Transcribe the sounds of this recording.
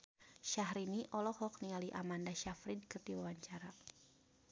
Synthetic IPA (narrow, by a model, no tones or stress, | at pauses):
ʃahɾiniʔɔlɔhɔk̚nialiʔamandaʃafɾidkərt̪iwawaɲt͡ʃaɾa